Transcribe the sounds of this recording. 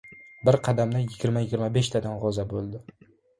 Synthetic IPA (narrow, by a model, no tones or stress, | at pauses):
bɪɾqʰɑd̪amnajɪɡʲɪɾmajɪɡʲɪɾmabeʃt̪ʰad̪anʁɒzabolˠd̪ɪ